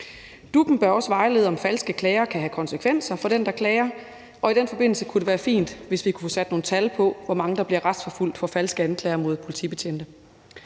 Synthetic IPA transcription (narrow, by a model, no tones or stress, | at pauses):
d̥ub̥n̩b̥ɶɐɒ̽sʋɑ̈ɪle̝ːðˠɒ̽mfælsɡ̥əkʰlɛːɪɐkʰæhækʰɒ̽nsəkʰʋen̰sɐfɒ̽ɾ̥end̥ɑ̈kʰlɛːɐ | ʔɒ̽id̥enfɒ̽be̝n̰l̩səkʰuɾ̥e̝ʋæːɐfḭːnd̥ʋe̝sʋikʰu̥fɔ̽sæd̥no̝ːn̩t͡sʰælpʰɒ̽ʋɒmɑ̈ŋəd̥ɑ̈b̥liɐʁad̥sfɒful̰d̥fɒ̽fælsɡ̥əænkʰlɛːɐmo̝ð̞ˠpʰo̝lit͡sʰḭb̥e̝t͡ɕʰend̥ə